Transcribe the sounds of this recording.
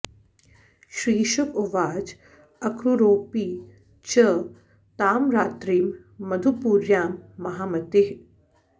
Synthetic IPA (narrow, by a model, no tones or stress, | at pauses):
ʃɾiːʃukoʋaːd͡ʒ | ɐkɾuɾoːpiː | t͡ʃə | t̪aːmɾaːt̪ɾiːmː | ɐd̪ʱupuːɾjaːmːɐɦaːmɐt̪ɪɦ